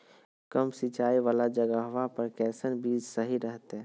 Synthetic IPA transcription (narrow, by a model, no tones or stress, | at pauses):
kəmsit͡ʃaːiʋaːlad͡ʒəɡəɦʋapəɾkɛːsənbiːd͡ʒsəɦiɾəɦt̪ɦɛ̃ː